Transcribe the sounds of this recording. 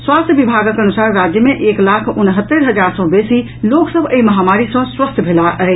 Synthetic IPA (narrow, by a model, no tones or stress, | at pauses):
swast̪ʰjəbibʱaɡəkənusaɾːad͡ʒjəmeʔeklakʰunɦət̪ːəɾɦəd͡ʒaɾsɔ̃besi | loksəbʱəiməɦamaɾisə̃swəst̪ʰəbʱelaʔə